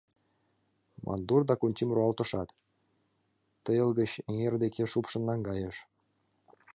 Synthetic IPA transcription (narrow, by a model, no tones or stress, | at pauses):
mʔɑ̰nd̪urd̪ɑkunʲt͡ɕʲimruɑlˠt̪ɤ̆ʂɑt̪ | t̪ːɤ̆jɤ̆lˠɡə̆ɕĕŋerd̪ekʰʲeʂupʃɤ̆nːɑnɡɑjɤ̆ʃ